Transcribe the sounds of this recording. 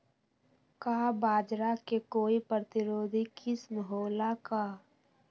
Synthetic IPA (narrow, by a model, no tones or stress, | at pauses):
kaːbaːd͡ʒɾakekoːipɾət̪ɪɾoːd̪ʱikʰisməɦoːlakaː